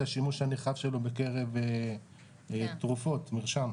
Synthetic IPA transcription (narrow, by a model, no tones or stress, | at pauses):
aʃimuʃhaneχavʃe̞lobe̞ke̞ʁe̞ve | t̪ʁufo̞t̪miʁʃam